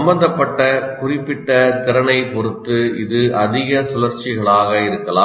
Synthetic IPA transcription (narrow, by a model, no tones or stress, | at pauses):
mbɐnd̪ɐpːɐʈːɐkʊrɪpːɪʈːɐt̪ɪɾɐɳɐɪpɔɾɯt̪ːɯɪ̰ðɯʔɐðɪɣɐsʊlɐɾt͡ʃːɪɣɐɭaːɣɐɪɾɯkːɐlaː